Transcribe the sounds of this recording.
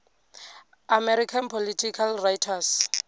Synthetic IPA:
amɛɾikʰanpʰolitʰikʰalrajtʰas

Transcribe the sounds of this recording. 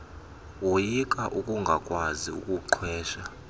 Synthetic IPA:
wojikʼaʔukʼuŋɡʱakʼwaziṵkʼuǃʰwɛːʃa

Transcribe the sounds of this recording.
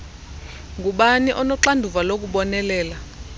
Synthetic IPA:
ŋɡʱuɓaniʔɔnɔǁandʱuvalok̬uɓɔnɛlɛːla

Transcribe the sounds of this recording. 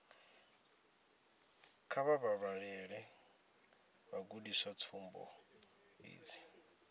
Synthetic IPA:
kʰaβaβaɺaɺɛɺɛ | βaɡudiswat͡sʰumbɔ̰ | ḭːd͡zi

